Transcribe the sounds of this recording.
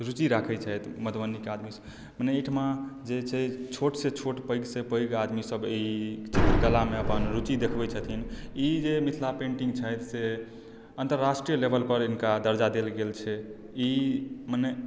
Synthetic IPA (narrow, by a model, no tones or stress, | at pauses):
ɾut͡ʃiɾakʰɛt͡ʃʰəjt̪mət̪bənikead̪mis | məneiʈʰmad͡ʒet͡ʃʰɛt͡ʃʰoʈset͡ʃʰoʈpəɪɡsepəjɡad̪misəbit͡ʃʰit̪ɾəɡəlameəpənɾut͡ʃid̪ekʰbɛt͡ʃʰət̪ʰinid͡ʒemit̪ʰlapẽɳʈiŋɡt͡ʃʰəjt̪se | ənt̪əɾːasʈɾijəlebʱəlpəɾinkad̪əɾd͡ʒad̪elɡelt͡ʃʰɛ | iməne